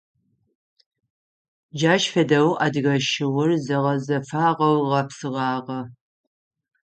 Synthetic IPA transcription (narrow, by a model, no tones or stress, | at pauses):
d͡ʒaːʃfɐdɐwʔɐdɣɐʃɪwʊrzɐʁɐzɐfaːʁɐwʁɐpsɨʁɑːʁɐ